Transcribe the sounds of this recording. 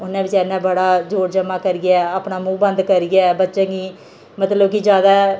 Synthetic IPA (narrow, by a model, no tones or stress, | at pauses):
ʊnãːbɪt͡ʃɛːɾnãːbəɽaːd͡ʒoːɾd͡ʒəmaːkəɾɪɡaːaːpnaːmũːbə̃nd̪kəɾɪɡaːbətːʃãːɡiː | mət̪ləbkid͡ʒjaːd̪aː